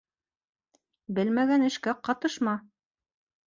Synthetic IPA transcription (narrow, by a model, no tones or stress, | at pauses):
bɘlmæɡænɘ̆ʃkæqɑt̪ɤʃmɑ